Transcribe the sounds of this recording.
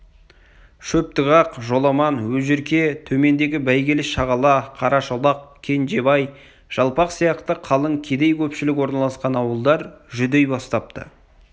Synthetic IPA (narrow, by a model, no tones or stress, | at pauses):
ʃɵp̚t̪əʁɑqʒo̞lˠɑmɑnwɵzɪɾkʲe̞t̪ʰɵme̞nd̪e̞ɡʲɪbæjɡʲelɪʃɑʁɑlˠɑqʰɑɾɑʃolˠɑqkʲʰe̞nd͡ʒe̞bɑj | ʒ̥ɑlˠpɑqsijɑqt̪əqʰɑlˠəɴkʲʰe̞d̪e̞jkʲʰɵpʃɪlɪkwo̞ɾnɑlˠɑsqɑnɑwəlˠd̪ɑɾʒʏd̪e̞jbɑst̪ɑp̚t̪ə̰